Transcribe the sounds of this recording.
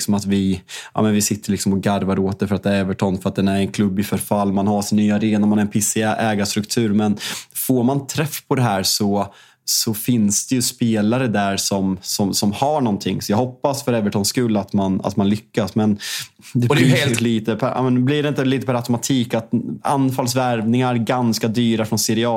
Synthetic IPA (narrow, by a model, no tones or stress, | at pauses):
ksɔmat̪vɪʔɑ̰ːmɛnvɪsɪt̪ʰːəɭɪksɔmɔɡaɾvaɾoːt̪̚d̪ɛfœɾat̪ɛvəʈʰɔnfœɾat̪̚d̪ɛnæɾɛnkʰlɵbːɪfœɾfalːmanhaɾʂɪnːyːaɾeːnamanɛɾɛnpʰɪsɪʔɛːɡast̪ɾɵkt̪ʰʉ̟ːɾmɛnfoɾmant̪ʰɾɛfːpʰɔd̪ɛɦæːɾsɔ | sɔfɪnsd̪̥ɛjɵspeːlaɾəd̪æɾsɔmsɔmsɔmhaɳɔnt̪ʰɪŋːsɔjɑɡhɔpːasfœɾɛvəʈʰɔnskɵlːat̪mana̰t̪manlʏkːasmɛn | d̪ɛɛheːlliːt̪əpʰæɾɑ̰ːmɛnblɪɖɛɪnt̪əliːt̪əpʰæɾat̪ɔmat̪ʰiːkat̪a̰nfalsvæɾvnɪŋaɾɡanskad̪yːɾafɾɔnsɛɾɪɑː